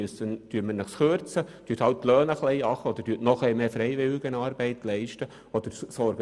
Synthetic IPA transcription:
əstənd̥yːtmənəχsχøɾt͡səd̥yːthɑwttːlœːnəχlɛɪɑχəɔd̪əɾdyːtnɔχɛɪmeːfɾɛɪʋɪlɪɡənɑːɾbɛɪt̪lɛɪʃtə | ɔd̥̪əɾsɔɾɡə

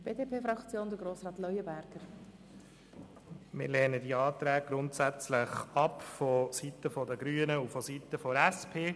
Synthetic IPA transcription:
b̥eːdeːpʰeːfɾɑkt͡sjoːnd̪əɡɾoːsrɑːt̪lɔjəbæɾɡ̥əɾ | mɪ̰ɾlɛːnədiɑːt̪ɾɛːɡ̚ɡ̥ɾʊntsæt͡slɪχɑpfɔsitəfɔdəɡɾyːənəufɔsitəfɔɾɛspʰeː

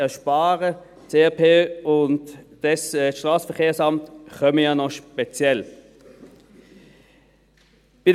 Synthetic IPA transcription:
ɛɐʃpaːʁə | t͡seːɛpʰeːʊntd̥ɛsʃtʁaːsfɛkʰeːɐsamtχœməjanɔʃpɛt͡sjɛl | b̥ɪd

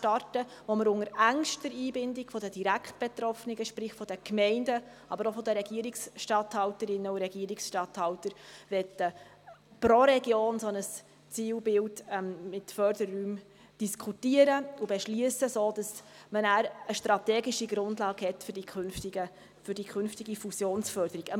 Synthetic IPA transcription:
ʃtɑrtəʋoməɾʊŋəɾæŋʃtdəɾiːbɪndɪkfɔdədiɾækχt̚b̥ɛt̪ɾɔfnɪɡəʃpɾɪχfɔd̥əkmɛɪndə | ɑbəɾofɔdəɾɛɡ̥iəɾiksʃtɑthɑwtəɾɪnːəuɾɛɡ̥iəɾɪksʃtɑthɑwtəɾʋɛtːə | pɾoɾɛɡjoːnsɔnəs | t͡siːwbɪldmmɪtfœɾdəɾːyːm | d̥iskʰutiəɾəubɛʃliəsəsoːd̥ɑsmənæːɾəʃtɾɑtɛːɡiʃiɡɾʊndlɑːɡhɛtfdikʰnftiɡə | fʏd̥ikʰʏnftiɡifusjoːnsfœɾdəɾiɡ̥ə

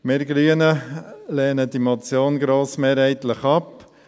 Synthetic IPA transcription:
meɾɡɾyənəleːnədimɔt͡sjoːnɡɾoːsmeːɾhɛɪt̪ləχɑp

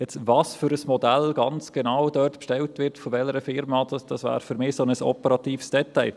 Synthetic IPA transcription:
jɛt͡svɑːsfʏɾəsmɔdælɡ̥ɑnt͡sɡ̥enaːwdœːrtpʃtɛltvɪɾtfɔʋɛləɾəfɪɾmɑdɑd̥ɑsvæ̰ːɾfʏɾmɪːsonəsɔ̰pəɾɑt̪iːfsd̥ɛtaɪl

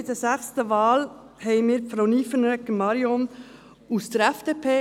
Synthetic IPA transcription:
dəzæxstəvɑːl | hɛɪnmiːɾfɾoniːfənœkəmɑɾjɔn | usd̥əɾɛfd̥eːpʰeː

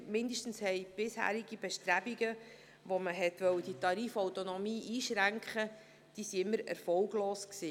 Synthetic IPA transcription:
mɪnd̪əʃtn̩shɛɪb̥ɪshæ̰ːɾiɡ̥ib̥ɛʃt̪ɾæbiɡə | ʋoməɦɛt̪ʋœwəd̥it̪ɑɾiːfɔwtonɔmiːʔiːʃɾæŋkχə | d̥isiɪmːəɾɛ̰ɾfɔwɡloːsksiː

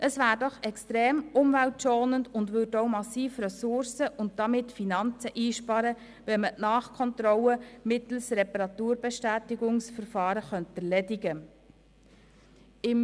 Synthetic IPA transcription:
ʔəsvæːɾdɔχɛkstɾeːmʊmvæltʃɔːnəndʊndvʏɾdoʊmɑsiːfɾɛsʊɾsəʔʊnt̚d̥ɑmɪtfinɑnt͡səʔiːʃpɑɾə | ʋɛnmənɑːχkʰɔnt̪ɾɔləmɪt̪l̩sɾɛpɑɾɑt̪uːɾbɛʃtæːtɪɡʊŋsfəɾfɑːɾəχœntɛɾlɛdɪɡə | ɪm

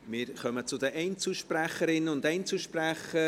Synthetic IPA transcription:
mɪːɾχœmət͡sʊdəʔɛɪnt͡suʃpræχəɾɪnəʊndɛɪnt͡suʃpræχə

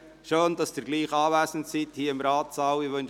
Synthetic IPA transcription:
ʃøːndɑsd̥̪əɾɡliːχɑːʋæːsn̩tsithiːəɪmɾɑːtsɑwɪʋønʃ

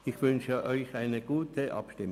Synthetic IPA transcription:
ɪxvʏnʃəʔɔʏçaɪnəɡ̥uːtʰəʔɑ̰pʃtɪm

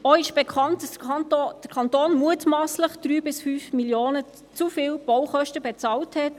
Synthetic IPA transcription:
ɔɪʃb̥ekʰɑntd̥ɑsd̥əkʰɑntoːnmuətmɑːsləχd̥ɾyːbɪsfyːfmiljoːnə | t͡sufɪːlb̥ɔwχœʃtəbɛt͡sɑːlthɛt

